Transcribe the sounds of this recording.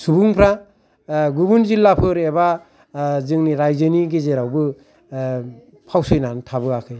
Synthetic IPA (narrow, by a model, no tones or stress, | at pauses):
subuŋpʰɾa | ɡubunzilːapʰɯɾeba | zɯŋniɾajzɯniɡezeɾawbɯ | pʰawsɯjnantʰabɯakʰɯj